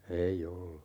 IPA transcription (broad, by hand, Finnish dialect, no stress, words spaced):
ei olːu